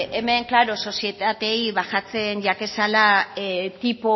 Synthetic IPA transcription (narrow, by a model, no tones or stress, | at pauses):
eme̞ŋklaɾo̞so̞sije̞t̪at̪e̞jβaxat͡se̞nʝake̞salat̪ipo